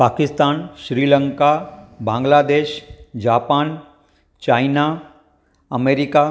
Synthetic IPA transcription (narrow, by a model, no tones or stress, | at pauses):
paːkɪst̪aːnʃɾiːlə̃ŋkabãːŋɡlaːd̪eːʃd͡ʒaːpaːn | t͡ʃaːɪna | ɐmeːɾɪka